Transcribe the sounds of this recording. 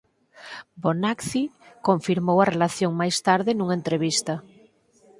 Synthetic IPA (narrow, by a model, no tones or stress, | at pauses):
bonakθikoɱfiɾmowarelaθjoŋmajst̪aɾðenũŋent̪ɾeβ̞ist̪a